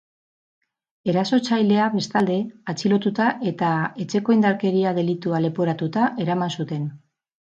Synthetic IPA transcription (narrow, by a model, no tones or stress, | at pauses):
e̞ɾaso̞t͡ʃajle̞aβe̞st̪ald̪e̞at͡silo̞t̪ut̪aʔe̞t̪ae̞t͡ʃe̞ko̞ind̪aɾke̞ɾiað̞e̞lit̪uale̞poɾat̪ut̪aʔe̞ɾamansut̪e̞n